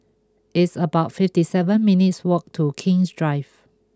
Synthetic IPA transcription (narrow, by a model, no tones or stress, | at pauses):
ʔɪtsəbaʊtfɪftisɛvə̃nminɪtswɔk̚tʰukʰɪ̃ŋsdɹaɪv